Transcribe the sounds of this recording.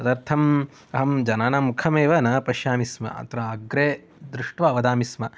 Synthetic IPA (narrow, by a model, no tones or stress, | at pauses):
sɐd̪ɐɾt̪ʰɐm | ɐɦɐmd͡ʒɐnaːnɐmukʰɐmeːʋɐnɐpɐʃjaːmismɐ̰ʔɐ̰t̪ɾɐɐɡɾeː | d̪ɾuʂʈʋɐɐʋɐd̪aːmismɐ